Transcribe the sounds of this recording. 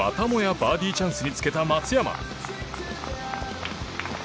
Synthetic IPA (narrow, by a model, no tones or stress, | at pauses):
a̰t̪amojabaːd̪ʲiːt͡ɕãɰ̃sɨɲ̟it͡sɨ̥ke̞t̪amat͡sɨjama̰